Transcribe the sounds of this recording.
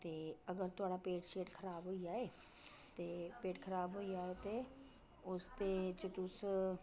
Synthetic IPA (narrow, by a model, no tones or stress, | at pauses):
t̪eːɐɡəɾt̪ʊaːɽapeːʈʃeːʈkʰəɾaːbɦoːiaːeːt̪epeːʈkʰɐɾaːbɦoiaːet̪e | ʊst̪et͡ʃɪt̪ʊs